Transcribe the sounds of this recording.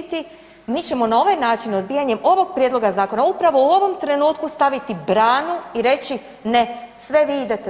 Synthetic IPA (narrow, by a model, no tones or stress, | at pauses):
t̪i | miːt͡ɕe̞mo̞nao̞ʋajnaːt͡ʃino̞d̪̚biːjaɲe̞mo̞ʋo̞ɡ̚pɾʲjed̪lˠo̞ɡazaːko̞naupɾaʋo̞uo̞ʋo̞mt̪ɾe̞nuːt̪̚kust̪aʋit̪ibɾaːnuiɾe̞t͡ɕi | ne̞sʋe̞ʋiːid̪et̪